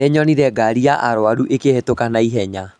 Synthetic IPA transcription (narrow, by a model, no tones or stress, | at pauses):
eɲɔniɾɛɡaɾiaʔaɾwaɾuʔekehetokanaiɦɛɲa